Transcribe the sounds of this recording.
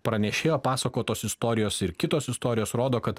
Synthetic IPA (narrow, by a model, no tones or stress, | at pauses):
pɾɐnʲɛʃʲeːjoːpɑːsɐkoːt̪oːsɪst̪oːɾʲɪjoːsɪɾkʲɪt̪oːsɪst̪oːɾʲɪjoːsɾoːd̪oːkɐt̪